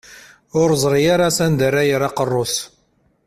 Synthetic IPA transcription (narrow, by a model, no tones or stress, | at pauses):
ʊɾzˤɾˤijaɾasænd̪ərːajəɾɑqərˤːoθ